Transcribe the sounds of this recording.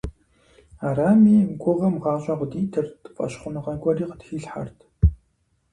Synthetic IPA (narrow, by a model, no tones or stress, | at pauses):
aɾaːmiːɡʷʊʁɐmʁɑːɕʷʼaʁʷʊdiːtʰɨrtʰʼpʼɐ̰ɕχʷʊnɨʁɐɡʷʼɔriːqətxiːɬħa̰rtʰ